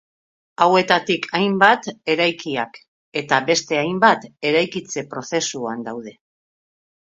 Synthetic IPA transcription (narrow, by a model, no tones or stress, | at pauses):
awe̞t̪at̪ikʰajmbat̪e̞ɾajkiak | e̞t̪aβe̞st̪e̞ajmbat̪e̞ɾajkit͡se̞pɾo̞θe̞suand̪awð̞e̞